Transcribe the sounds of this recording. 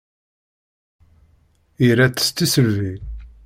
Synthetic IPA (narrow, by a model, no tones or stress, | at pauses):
iɾæt͡sːə̥st̪ːisəlvi